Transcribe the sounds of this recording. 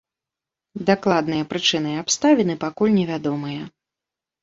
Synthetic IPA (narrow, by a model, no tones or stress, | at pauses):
d̪aklˠad̪nɨjɐpɾɨt͡ʂɨnɨapst̪avʲinɨpakulʲnʲɛvʲad̪ɔmɨjɐ